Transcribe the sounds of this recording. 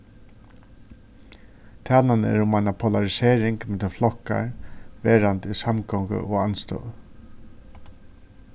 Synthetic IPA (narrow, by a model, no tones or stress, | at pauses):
t̪ʰaːlanəɛ̰ɾʊmaɪnapʰɔlaɹɪseːɾɪŋkmɛt̪əflɔhkːa̰ɹʋeːɾant̪isamkɔwŋkə̰ʔɔanst̪œ̰w